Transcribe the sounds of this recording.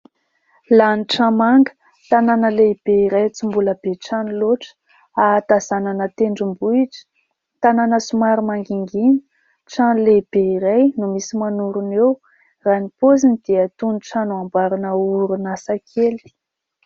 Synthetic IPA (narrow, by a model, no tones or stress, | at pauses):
laniʈ͡ʂamaŋɡə̥ | t̪ananəleb̥eiɾajt͡sumbuləb̥eʈ͡ʂaniloʈ͡ʂə̥ | at̪azananət̪eɳɖ͡ʐumbuiʈ͡ʂə̥ | t̪ananəsumaɾumaŋɡiŋɡinə̥ | ʈ͡ʂanileb̥eiɾajnumisimanuɾunew | ranipozinid̪̥eət̪uniʈ͡ʂanuambaɾunəuɾunasakʰeli̥